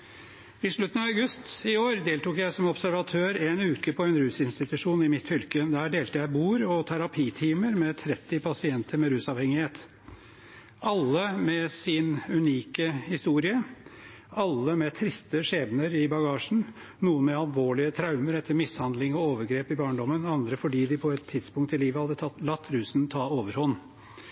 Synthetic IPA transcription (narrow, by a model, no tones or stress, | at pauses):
ɪʂɭʉt̪ːənɑʋɑɡʉst̪ɪoːɾd̪eːlt̪uːkjæɪsɔmɔbsæɾʋɑt̪ʰøːɾeːnʉːkəpʰɔɛnɾʉːsɪnst̪ɪt̪ʉʂuːnɪmɪt̪fʏlkəd̪æːɖeːlt̪əjæɪbuːɾɔt̪ʰæɾɑpʰiːt̪ʰiːməɾmɛt̪ʰɾɛt̪ːɪpʰɑsɪɛnt̪əɾmɛɾʉːsɑʋhɛŋɪheːt̪ | ʔɑlːəmɛsɪnʉniːkəhɪst̪uːɾɪə | ɑlːəmɛt̪ʰɾɪst̪əʂeːʋnəɾɪbɑɡɑːʂn̩ | nuːənmɛɑlʋoːɭɪət̪ʰɾɑʉməɾɛt̪ʰːəɾmɪshɑnd̪lɪŋɔoːʋəɾɡɾeːpɪbɑːɳɖɔmːənɑnd̪ɾəfɔɖiːd̪ɪpʰɔɛt̪ʰːɪd̪spʊŋkt̪ɪliːʋəhɑd̪ːət̪ʰɑt̪lɑt̪ʰːɾʉːsn̩t̪ʰɑːoːʋəɾhɔnː